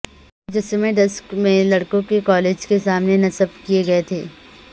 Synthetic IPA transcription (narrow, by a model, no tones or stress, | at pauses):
d͡ʒɛsemẽd̪ɐskmẽlɐɽkõkekɔːleːd͡ʒkesaːmnenɐsəb̚kieɡɐet̪ʰeː